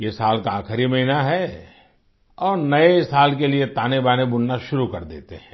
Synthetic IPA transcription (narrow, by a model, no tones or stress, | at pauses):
jesaːlkaaːxɪɾimɐɦinaɦɛ | ɔːɾnɐesaːlkeliet̪aːnebaːnebʊn̤naʃʊɾukɐɾd̪ḛːt̪eɦɛ̃ː